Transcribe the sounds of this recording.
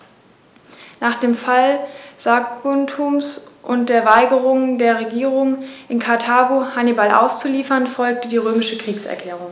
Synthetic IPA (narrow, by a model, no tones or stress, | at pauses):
naːχd̥eːmfalz̥aɡʊntʰumsʔʊnt̚d̥eːɐvaɪɡəʁʊŋdeːɐʁeɡiːʁʊŋʔɪnkʰaɐtʰaːɡohanibalʔa̰ʊst͡suliːfɐnfɔlk̚tədiːʁøːmɪʃəkʁ̥iːksɛ̰ɐkʰl̥ɛːʁ̞ʊŋ